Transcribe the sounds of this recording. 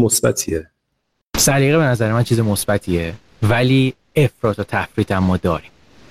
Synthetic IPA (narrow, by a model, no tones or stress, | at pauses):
mosbæ̰t̪ʰie | sæɾiːɣee̞næzæɾemænt͡ʃʰiːzemosbæt̪ʰiːe | væliː | e̞fɾɒːt̪ʰot̪ʰæfɾiːt̪ʰæmːɒːd̪ɒːɾim